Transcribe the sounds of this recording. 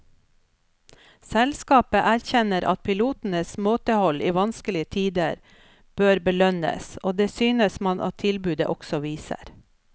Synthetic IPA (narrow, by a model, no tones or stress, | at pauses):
sɛlskɑːpəʔæɾçɛnəɾʔɑ̰t̪̚pʰɪluːt̪n̩əsmoːt̪əhɔliːʋɑnskəlɪət̪ʰiːd̪əɾ | b̥øːɾbəlœnə̰soːd̪eːsyːnəsmɑnʔɑ̰t̪ʰɪlbʉːd̪ə̰ʔɔksɔʋiːsə̰ɾ